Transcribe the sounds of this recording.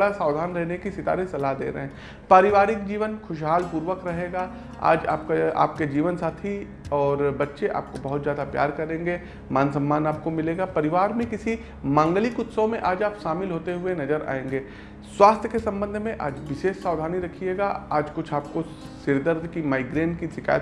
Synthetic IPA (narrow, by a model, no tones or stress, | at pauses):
ɽasaːʋd̪ʱaːnɾɛɦnekisɪt̪a̰ːɾisɐlad̪ḛːɾɐ̰ɦɛ̃ː | paːɾɪʋaːɾɪkd͡ʒiːʋənxʰʊʃ̬ɦaːlpuːɾʋəkɾɐɦeːɡaː | a̰ːd͡ʒa̰ːp̚kaa̰ːp̚ked͡ʒiːʋənsaːt̪ʰi | ɔːɾbɐtːʃeʔa̰ːp̚kobɐɦʊt̪zjaːd̪apja̰ːɾkɐɾẽːŋɡeː | maːnsɐ̃mːaːnaːp̚komɪleːɡapɐɾɪʋaːɾmẽkɪsi | mãːŋɡlikʊt̪sõmẽʔaːd͡ʒaːpʃaːmɪlɦoːt̪eɦʊenɐd͡ʒəɾa̰ːẽːŋɡeː | swaːst̪ʰjəkesɐ̃mbə̃nd̪ʱmẽʔa̰ːd͡ʒʋɪʃeːʃsaːwd̪ʱaːniɾɐkʰieːɡaaːd͡ʒkʊt͡ʃʰaːp̚ko | sɪɾd̪əɾd̪ʱkimaːɪɡɾeːnʈkisɪka̰ːjət̪